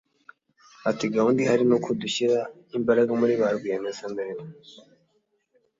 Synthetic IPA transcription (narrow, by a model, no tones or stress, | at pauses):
atiɡahundihaɾinukuduɕiɾa | imbaɾaɡamuɾiβaɾɡwianesambeɾemo